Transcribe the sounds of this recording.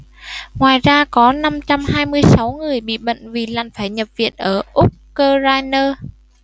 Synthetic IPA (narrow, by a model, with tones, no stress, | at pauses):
ŋwaː˨˩jzaː˧kɔ˨˦na˧mt͡ɕa˧mhaː˧jmɨ˧əjsa˨˦wŋɨ˨˩əjɓḭ˧˨ɓə̰˧˨ŋvi˨˩laː˨˩nfaː˧˩jɲə˨˩p̚vḭ˧˨ənʔəː˧˩ʔʊ˦˥k͡p̚kəː˧zaː˧jnəː˧